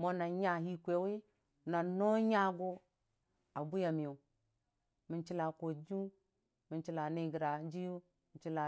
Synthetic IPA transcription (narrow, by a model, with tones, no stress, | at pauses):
mo˦na˨ɲa˦hi˦kʷe˨˦wi˦ | na˨no˦ɲa˦ɡo˦ | a˨bu˦ja˨mi˨jo˨ | mi˨nt͡ʃi˦la˨ko˨d͡ʒu˦ | mi˨nt͡ʃi˦la˨ni˦˨ɡi˨ɾa˨d͡ʒi˦ju˦ | i˨t͡ʃi˦la˨